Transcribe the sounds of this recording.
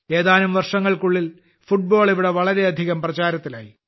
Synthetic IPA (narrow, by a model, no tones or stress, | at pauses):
e̞ːðaːlumʋɐrʂɐŋːɐɭkuɭːil | fuʈ̚bo̞ːɭiʋiɽeʋɐɭɐɾe̞ɐd̪ʱiɣɐmprɐt͡ɕaːɾɐt̪ːila̰ːji